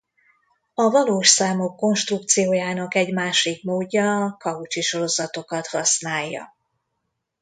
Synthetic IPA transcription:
ɒvɒloːʃsaːmokːo̞nʃt̪rukt̪sijoːjaːnɒkɛɟmaːʃikmoːɟːɒkɒut͡ʃiʃo̞ɾo̞zɒt̪o̞kɒt̪hɒsnaːjːɒ̰

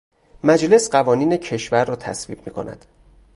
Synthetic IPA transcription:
mæd͡ʒle̞sɢævɒːniːnecʰe̞ʃvæɾːɒːt̪ʰæ̰svḭːb̚miːkʰo̞̰nʔæ̰d̪̥

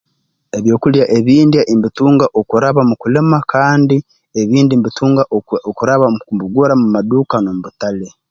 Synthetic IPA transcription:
eβjo̞ːkuljaʔe̞βiːndiaʔimbituːŋɡaʔokuɾaβamukule̞makʰaːndi | eβiːndimbituːŋɡaokuɾaβakumbuɡoɾamumaduːkanomuβutale

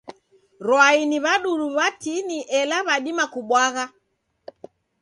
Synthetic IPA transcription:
ɾwainiβaɗuluβatiniʔɛlaβaɗimakuɓwaɣa

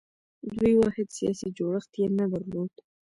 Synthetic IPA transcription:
d̪ujwɑhɪd̪sijɑ̰sid͡ʒoɽəxt̪jenad̪aɾlod̪

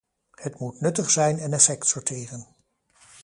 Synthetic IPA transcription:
hətmutnɵtəχsɛjnɛnɛfɛktsɔɹteːrən

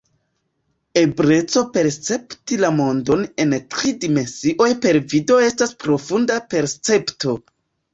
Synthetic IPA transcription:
e̞bɾe̞t͡so̞pe̞ɾst͡se̞ptilamo̞ndo̞ne̞ntɾidime̞nsiʔo̞jpe̞ɾvido̞e̞staspɾo̞fundape̞ɾst͡se̞pto̞

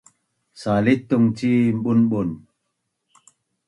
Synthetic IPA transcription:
salit̪ːuŋt͡ʃimɓunɓun

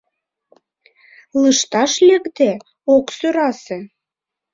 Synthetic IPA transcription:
lɨʃt̪ɑʃlʲekd̪e | oksøɾɑse

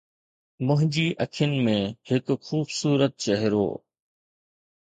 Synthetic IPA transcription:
mʊ̃ɦɪ̃ɲd͡ʑiːʔɐkʰijənɪ̆mẽhɪkxuːbsuːɾət̪̚t͡ɕɐɦɪɾo̰ː

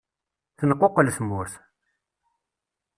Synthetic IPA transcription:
θənəqːoqːəlsmʊɾθ

